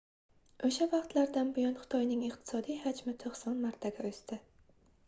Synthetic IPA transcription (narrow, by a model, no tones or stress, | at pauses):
oʃavɑqt̪laɾd̪anbɪjɒnχʊ̥t̪ʰɒjnɪŋɪqt̪ʰɪ̥sɒd̪ijhad͡ʒmɪt̪ʰoχsɒnmaɾt̪ʰaɡʲaɵst̪ɪ